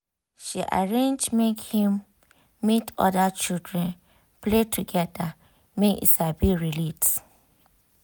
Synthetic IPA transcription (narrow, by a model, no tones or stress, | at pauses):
ʃiʔa̰ɹẽnd͡ʒmekhĩmː | itʰɔ̰dat͡ʃildɹɛ̃n | pletʰuɡɛda | mẽʔḭsabiɹilit